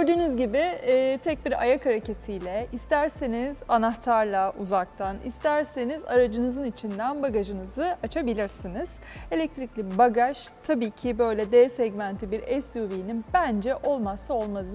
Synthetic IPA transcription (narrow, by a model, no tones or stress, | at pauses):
øɾd̪yːnyzɟibɪːt̪ʰɛc̚biɾa̰jakʰhaɾecʰet̪ʰijlʲɛist̪ʰæɾseniz̥anaxt̪ʰaɾlˠaʔuzak̚t̪ʰanḭst̪ʰæɾsenizaɾad͡ʒɯnɯzɯnit͡ʃʰind̪ænbaɡaʒɯnɯzɯʔat͡ʃʰabilʲiɾsiniz̥ | e̞lʲɛc̚t̪ʰɾiclʲibaɡaʃ | t̪ʰabiːcʰibø̞jlʲɛd̪ɛːsɛɟmænt̪ʰibiɾɛsjuviːninbænd͡ʒɛʔo̞lˠmasao̞lˠmalˠɯ